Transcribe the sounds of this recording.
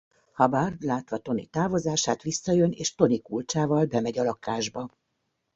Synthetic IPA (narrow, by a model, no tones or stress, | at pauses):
hɒbarlaːt̪ʋɒt̪o̞nḭt̪aːvo̞zaːʃaːt̪ʋisːɒjøneːʃt̪o̞nikult͡ʃaːvɒlbɛmɛɟɒlɒkaːʒbɒ